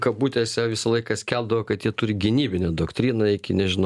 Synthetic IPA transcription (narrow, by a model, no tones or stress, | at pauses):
kɐbuːt̪ʲɛːsʲɛʋʲɪsɐlˠɐɪkɐsʲkʲɛlˠd̪ɐʋoːkɐt̪jit̪ʊɾʲɪɡʲɪnʲiːbʲɪnʲɛd̪oːkt̪ʲɾʲiːnɐɪkʲɪnʲɛʒʲɪnɐ